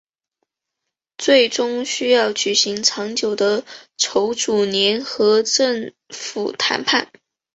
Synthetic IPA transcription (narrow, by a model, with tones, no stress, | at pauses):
t͡swe˥˩ɪʈ͡ʂʊ˥ŋɕy˥jɑ˥˩ʊt͡ɕy˨˩ɕi˧˥ŋʈ͡ʂʰɑ˧˥ŋt͡ɕjo˨˩ʊd̪ə˦ʈ͡ʂʰo˧˥ʊʈ͡ʂu˨˩njɛ˧˥nxɤ˧˥ʈ͡ʂɤ˥˩ŋ | fṵ˨˩t̪ʰa̰˧˥npʰa˥˩n